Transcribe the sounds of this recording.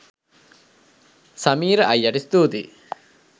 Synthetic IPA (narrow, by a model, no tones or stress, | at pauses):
sɐmiːɾəʔɐjːaʈist̪uːd̪ḭ